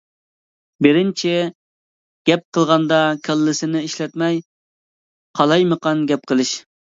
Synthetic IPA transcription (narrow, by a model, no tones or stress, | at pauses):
bɪɾɪnt͡ʃʰɪ | ɡ̥ʲɛp̚qʰəlˠʁɑnd̪ɑkʲʰælːɪsɪnɪiʃlɛt̪mɛj | qʰɑlˠɑjməqɑnɡʲɛp̚qʰəlˠɨʃ